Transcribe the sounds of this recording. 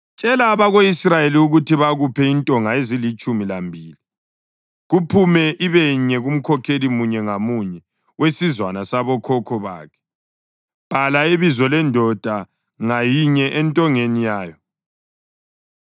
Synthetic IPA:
t͡ʃʼɛlaːβaɣoisrajeliuɣutʰiβaɣupʰɛintʼɔŋaezilit͡ʃʼumilambʱiːli | ɣupʰumɛʔiβɛɲɛɣum̩kʰɔkʰelimuɲɛŋamuɲɛ | wesizwanasaβɔkʰɔkʰɔβa̰ːkʰɛ̥ | b̥ʱalaiβizɔlɛndʱɔd̥ʱa | ŋajiɲɛʔɛntʼɔŋenijaːjɔ

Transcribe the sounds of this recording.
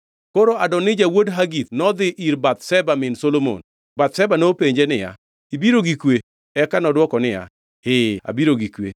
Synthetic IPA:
koɾoadɔnɪd͡ʒawodɦaɡit̪nɔd̪ɪʔiɾbat̪sɛbamɪnsolomo̰n | bat̪̚sɛbanopeɲd͡ʒenɪja̰ | ibiɾoɡikwe | ɛkanɔdwɔkɔnɪja̰ | hea̰biɾoɡikwḛ

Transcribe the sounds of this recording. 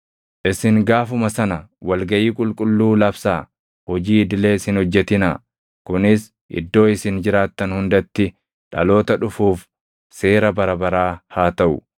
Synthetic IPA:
ʔɪsɪŋɡaːfʊmɐsɐnɐwɐlɡɐʔiːkʼʊlkʼʊlːuːlɐbsaː | hɔd͡ʒiːɪd̪ɪle̞ːɪsɪnhɔd͡ʒːɛt̪ɪna | kʊnɪs | ʔɪ̰d̪ːo̞ːɪsɪnd͡ʒɪɾaːt̪ːɐnhʊnd̪ɐt̪ːɪ | ᶑɐ̰lo̞ːt̪ɐᶑʊfuːf | se̞ːɾɐbɐɾɐbɐɾaːhaːt̪ɐʔʊ

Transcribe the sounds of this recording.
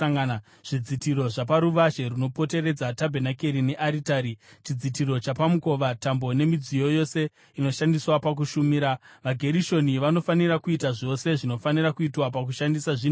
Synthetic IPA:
ŋa | ʐ̥id͡zitiɾo̞ʐapaɾuʋaʃe̞ɾuno̞po̞te̞ɾe̞d͡zatabʱe̞nake̞ɾine̞ʔaɾitaɾit͡ʃid͡zitiɾo̞t͡ʃapamuko̞ʋatambo̞ne̞mid͡zijo̞jo̞se̞ | ino̞ʃandiswapak̬uʃumiɾaʋaɡʱe̞ɾiʃo̞niʋano̞fanirakuitaʐo̞se̞ʐino̞fanirakuitwapak̬uʃandisaʐi

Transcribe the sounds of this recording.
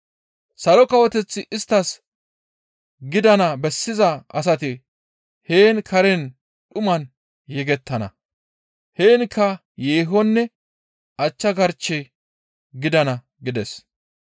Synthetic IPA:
sɐlɔkɐwɔt̪ɛt͡sːɪʔɪst̪ːɐs | ɡɪd̪ɐnɐbɛsːɪzɐʔɐs̬ɐt̪ɪ | heːnkʰɐɾɛn | ɗʊmɐn | jɛɡɛt̪ːɐnɐ̰ | heːnkʰːɐ | jeːɦɔnːɛ | ʔɐt͡ʃːɐɡɐɾt͡ʃːɛ | ɡɪd̪ɐnɐ | ɡɪd̪ɛs

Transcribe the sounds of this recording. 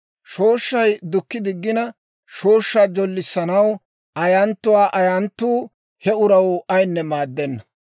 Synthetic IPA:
ʃo̞ːʃːɐjd̪ʊkːɪd̪ɪɡːɪnɐ | ʃoːʃːaːd͡ʒɔlːɪsːɐnɐw | ʔɐjɐnt̪ːʊwaːʔɐjɐnt̪ːuː | hɛʊɾɐwɐjnːɛmaːd̪ːɛnːɐ

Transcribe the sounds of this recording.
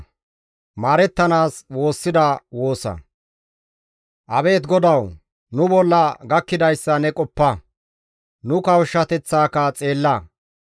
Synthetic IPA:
maːɾɛt̪ːɐnaːswo̞ːsːɪd̪ɐwo̞ːsɐ̰ | ʔɐbe̞ːt̪ɡɔd̪ɐw | nʊbɔlːɐɡɐkːɪd̪ɐjsːɐnɛkʼɔpːɐ | nʊkɐwʃːɐt̪ɛt͡sːaːkɐt͡sʼe̞ːlːɐ

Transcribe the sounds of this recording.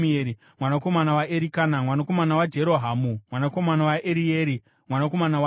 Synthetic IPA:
eɾi | mwanako̞manawaʔeɾikanamwanako̞manawad͡ʒe̞ɾo̞ɦaːmumwanako̞manawaʔeɾijeɾi | mwanako̞manawa

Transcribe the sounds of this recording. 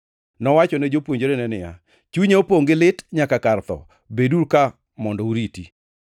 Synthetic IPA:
nɔwat͡ʃɔnɛd͡ʒopwoɲd͡ʒoɾenɛnɪja | t͡ʃuɲeopoŋɡɪlɪtɲakakart̪ɔ̰ | beduɾka | mɔndɔuɾiti

